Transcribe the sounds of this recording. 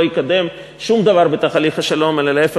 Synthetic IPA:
jikad̪e̞m | ʃumd̪avaʁbet̪aχaliχhaʃalo̞melalaefe

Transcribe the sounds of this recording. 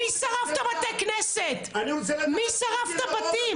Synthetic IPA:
isɐʁaft̪ɐmɐt̪ɛkɨnɛsɛt̪mĩsɐʁaft̪ɐpɐt̪i

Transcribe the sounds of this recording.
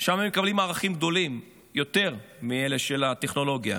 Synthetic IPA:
ʃamhemːekablimaːʁaχimɡ̚d̪o̞lim | jo̞t̪e̞ʁmiele̞ʃelat̪e̞χno̞lo̞ɡja̰

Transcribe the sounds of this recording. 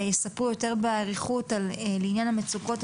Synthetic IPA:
jesapʁujo̞te̞ʁbeaʁiχutallinjanhamet͡sukot

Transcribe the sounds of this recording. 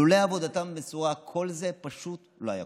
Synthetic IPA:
uleavo̞d̪at̪ambet͡suʁakʰo̞lze̞paʃut̪ | lo̞aja̰

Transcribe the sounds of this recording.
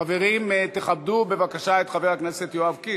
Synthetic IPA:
ave̞ʁimt̪eχab̚d̪ube̞vakaʃaet̪χaveʁhaknese̞t̪joavki

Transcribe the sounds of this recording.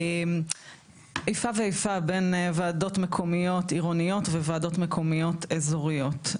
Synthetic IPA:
m | ejfaveejfabe̞nvaːdo̞tmekʰomijo̞tiʁonijo̞tvevaːdo̞tmekʰo̞mijo̞tezoʁijo̞t

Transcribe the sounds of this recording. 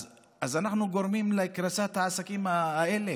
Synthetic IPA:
azanaχnuɡo̞ɾmimlekɾasat̪haːsakimaaele̞

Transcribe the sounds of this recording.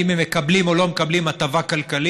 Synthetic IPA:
imemekablimo̞lo̞mekablimat̪avakalkali

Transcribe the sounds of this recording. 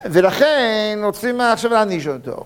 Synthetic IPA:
velaχennot͡simaːχʃavaniʃot̪o̰

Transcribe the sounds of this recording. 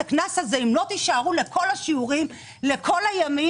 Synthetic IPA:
aknasazeimlo̞t̪iʃaʁule̞kʰo̞laʃiuʁim | le̞kʰo̞lajami

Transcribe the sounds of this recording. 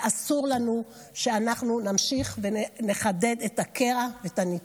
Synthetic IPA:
asuʁlanu | ʃeanaχnunamʃiχvene̞χade̞detakeʁavetani

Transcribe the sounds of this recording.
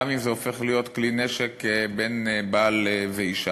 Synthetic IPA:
mimzeofe̞χlijot̪klineʃekbenbaːlveiʃa

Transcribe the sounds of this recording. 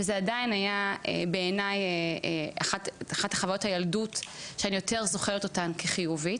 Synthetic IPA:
vezeadainhajaḛbeːnajeeʔaχataχathaχavajo̞thajaldutʃeanijo̞te̞ʁzo̞χeʁet̪o̞tankʰeχijuvit

